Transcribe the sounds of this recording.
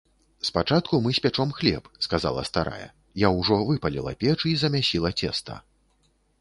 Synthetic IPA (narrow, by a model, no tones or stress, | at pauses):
spat͡ʂat̪̚kumɨsʲpʲat͡ʂɔmxlʲɛ̰pskaza̰lˠɐ̰st̪aɾʔa̰jɛ̰ | jawʐɔvɨpɐlʲḭlˠɐ̰pʲɛt͡ʂizɐmʲasʲilˠɐt͡sʲɛ̰st̪ɐ̰